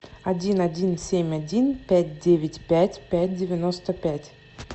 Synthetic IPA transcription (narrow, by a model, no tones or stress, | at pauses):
ɐdʲinɐdʲinsʲemʲɐdʲinpʲætʲdʲevʲɪtʲpʲætʲpʲæt̚ʲdʲɪvʲɪnost̪əpʲætʲ